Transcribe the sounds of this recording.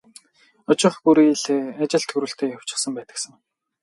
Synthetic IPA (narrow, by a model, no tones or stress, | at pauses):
ɔt͡ɕɪ̆χpuɾiɮat͡ɕɪ̆ɬt̪ʰxuɾuːɬt̪ʰeːjaw̥t͡ɕɪ̥̆χsə̆mpæːt̪ə̆ksə̆ŋ